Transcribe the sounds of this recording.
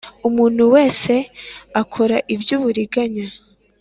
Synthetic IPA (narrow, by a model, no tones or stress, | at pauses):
umuːn̥huwe̞ːse̞akʰo̞ɾaʔibjuβuɾiɡaɲa